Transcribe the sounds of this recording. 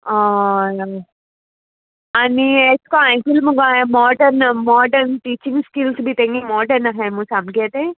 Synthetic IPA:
a | ɐnieskoajfilmuɡemɔːɖɐɾnmɔːɖɐɾnʈiːt͡ʃiŋɡskilsbit̪eŋɡimɔːɖɐɾnaɦejmũsɐmɡeːt̪e

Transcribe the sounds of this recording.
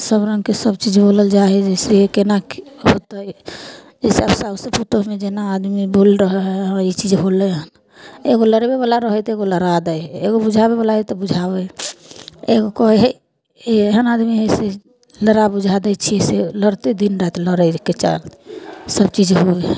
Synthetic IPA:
səbɾə̃ŋɡkesəb̚t͡ʃid͡ʒboləld͡ʒaɦɛd͡ʒeseekenakɦot̪əj | d͡ʒɛseabsabsəput̪əɦmed͡ʒenaːd̪mibolɾəɦɦɛɦəait͡ʃid͡ʒɦolɛɦən | eɡoləɾbebalaɾəɦət̪eɡoləɾad̪əjeɡobud͡ʒʱabebolaet̪ɔbud͡ʒʱabɛ | eɡokɔiɦɛ | eeɦənad̪miɦɛse | ləɾabud͡ʒʱad̪ət͡ʃʰiɛseləɾt̪ed̪inɾat̪ləɾəket͡ʃa̰lsəbt͡ʃid͡ʒɦueɦ

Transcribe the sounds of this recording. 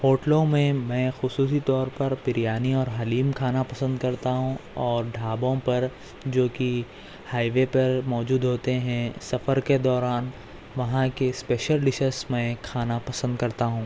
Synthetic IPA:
hoːʈlõmẽmɛ̃ːxʊsuːs̬it̪ɔːɾpɐɾpɪɾjaːniɔːɾɦɐliːmkʰaːnapɐsə̃nd̪kɐɾt̪aɦũɔːɾɖʱaːbõpɐɾ | d͡ʒoːki | haːiʋepɐɾmɔːd͡ʒuːd̪ɦoːt̪eɦɛ̃sɐfəɾked̪ɔːɾaːn | ʋɐɦãkespeːʃəlɖɪʃəsmɛ̃ːkʰaːnapɐsə̃nd̪̚kɐɾt̪aɦũː

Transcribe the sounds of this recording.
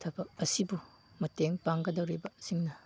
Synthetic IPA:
tʰɐbɐk̚ɐsibu | mɐteŋpaŋɡɐdɐwɾibɐsiŋnɐ

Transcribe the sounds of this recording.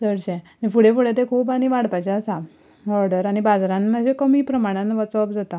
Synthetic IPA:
d̪əɽɕɛ̃anifuɽefuɽet̪ekʰuːp̬aɽ̃iʋaɽpajt͡ɕeəsa | ɔɾɽəɾaɽ̃ibad͡zɾãnməɕekəmipɾəmaɽ̃ãnʋɔt͡səpd͡zat̪a

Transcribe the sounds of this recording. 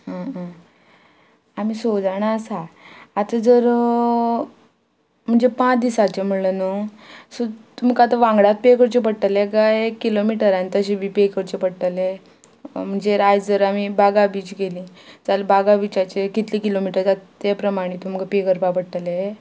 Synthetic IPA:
ɦə̃ə̃ | amisod͡zaɳ̃aəsaat̪əd͡zəɾ | m̤əɳd͡zepãt͡sd̪isat͡ɕem̤əɽlənosot̪um̤kat̪əʋãŋɡɽat̪̚pekəɾt͡ɕep̬əɽʈəleɡajekːilomiʈəɾant̪əɕebipekəɾt͡ɕepəɽʈ̪əle | m̤əɳd͡zeɾajd͡zəɾamibaɡabiːt͡ɕɡelĩː | d͡zalbaɡabit͡ɕat͡ɕekit̪liːkilomiʈəɾd͡zat̪ː | epɾəmaɽ̃it̪um̤kapekəɾpapəɽʈ̪əle

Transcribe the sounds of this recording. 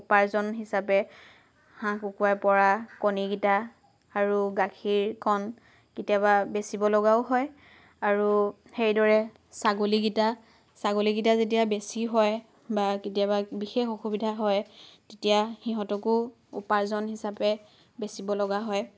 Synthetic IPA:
upaɹzɔnɦisapɛ | hãkukuajpɔɹakoniɡitaː | ɹuɡakʰiɹkʰɔn | kitijababesibɔlɔɡaʊɦɔj | aɹu | xejdɔɹɛ | saɡoliɡita | saɡoliɡitazetijabesiɦɔj | baketijababixexoxubidʱaɦɔjtetijaxiɦɔtɔkʊ | ṵpaɹzɔnɦisapɛ | besibɔlɔɡaɦɔj

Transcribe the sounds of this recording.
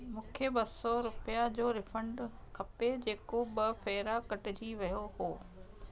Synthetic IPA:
mʊ̃ːkʰebɐsɔɾʊpijad͡ʑoːɾɪfə̃ɳɖkʰɐped͡ʑeːkoɓɐfeːɾakɐʈɪd͡ʑiʋɐjoɦoː

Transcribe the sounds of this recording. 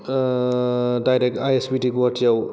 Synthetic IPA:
dajɾek̚tajesbitiɡuatʰijaw

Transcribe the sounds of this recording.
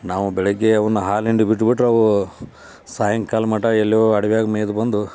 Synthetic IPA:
naːʋubɛɭeɡːe̞ɐʋɐnːuɦaːliɳɖubiʈ̬ːbiʈːɾuɐʋu | saːjɐŋkaːlmɐʈɐelːjoːɐɽɐʋjaːɡɐmeːjd̪ubɐnd̪u

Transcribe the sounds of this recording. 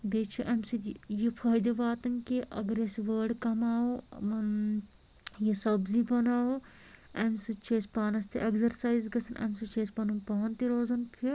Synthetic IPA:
b̪eːt͡ʃʰuʔɐmsijipʰaːjd̪eʋaːt̪ɐnkiʔɐɡɐɾeseʋɐːɾɖkɐmaːomɐn | jesɐbzibɐnaːo | ɐmsɨt͡ʃeːspaːnɐst̪ḛʔeɡzɐɾsaːizɡɐsʰɐnʔɐ̰msɨt͡ʃeːspɐnunpɐɦɐnt̪iɾoːzɐnpʰi

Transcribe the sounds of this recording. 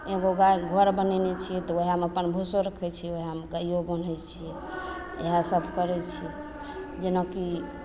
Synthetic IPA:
eɡoɡaɡʱəɾbənɛnɛt͡ʃʰijɛt̪ɔoɦiameəpənbʱusoɾəkʰɛt͡ʃʰijɛoɦiameɡaiobən̤ɛt͡ʃʰijɛ | ḛɦasəbʱkəɾɛt͡ʃʰi | d͡ʒenaki

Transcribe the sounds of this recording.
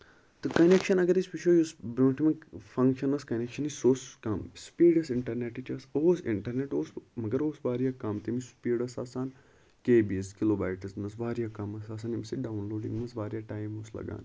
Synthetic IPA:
t̪ɨkɐnekʃɐnɐɡɐɾispit͡ʃʰoːjusbɾõːʈʰmɐfɐŋkʃɐnɐskɐnekʃɐnisoːskɐmspiːɖɐsiɳʈɐɾneʈit͡ʃɐsoːsḭɳʈɐɾneʈoːsmɐɡɐɾoːsʋaːɾjaːkɐmt̪imispiːɖɐsaːsaːn | keːbiskiloːba̰ːjʈɐznɐsʋaːɾijaːkɐmɐsaːs̬aːnimsiɖaːwunloːɖḭŋɡmɐsʋaːɾjaːʈaːjmoːslɐ̰ɡa̰ːn

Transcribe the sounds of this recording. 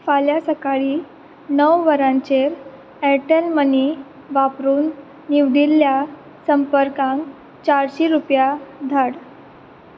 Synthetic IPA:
faljasəkaɭiː | nəwʋəɾãt͡ɕeɾ | ɛʈəlməni | ʋapɾuːnː | iʋɽilːja | səmpəɾkãŋk | t͡ɕaɾɕiɾupjad̪ʱaɽ

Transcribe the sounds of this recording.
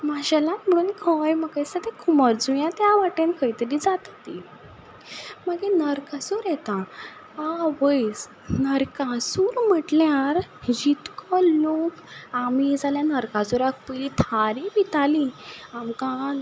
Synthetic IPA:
maɕalãnm̤əɽuːnkʰəjməkajsat̪ekʰuməɾd͡zujãt̪jaʋaʈẽnkʰəjt̪əɾid͡zat̪at̪i | maɡenəɾkasuɾjɛt̪ã | aʋəjs | nəɾkasuːɾm̤əʈljaɾd͡ʑit̪kɔlokamid͡zaljanəɾkasuɾak̚ʰpəlit̪ʰaɾibit̪aliamkã

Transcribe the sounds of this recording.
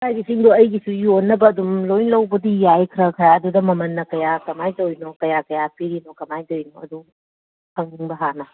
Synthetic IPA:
bajɡisiŋdoɐjɡisujonːɐbɐːdumlojnlɐwbɐdijajkʰɾɐkʰɐɾaɐdudɐmɐmɐnːɐkɐjakɐmajtɐojnokɐjakɐjapʰiɾinokɐmajtojnoɐdu | pɐŋniŋbɐɦanɐ

